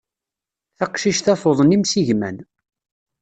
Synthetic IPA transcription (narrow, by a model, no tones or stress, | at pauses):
θæqʃiʃθæθoðˤənimsiʝmæ̰n